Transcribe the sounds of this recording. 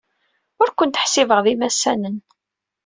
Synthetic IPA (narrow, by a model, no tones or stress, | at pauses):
ʊɾkʷənt̪ə̥ħsivəʁðimæsːænən